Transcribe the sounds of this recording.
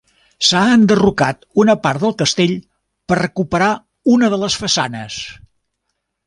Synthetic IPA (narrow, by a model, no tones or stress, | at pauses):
saənd̪ərukat̪unəpaɾt̪d̪əlˠkəst̪eʎ | pərəkupəɾa | unəðələsfəsa̰nə̰s